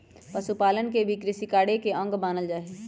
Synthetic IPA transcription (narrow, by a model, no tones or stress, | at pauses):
pɐsupaːlənkebʱikɾɪsikaːɽekeɐ̃ŋɡbaːnəld͡ʒaːɦe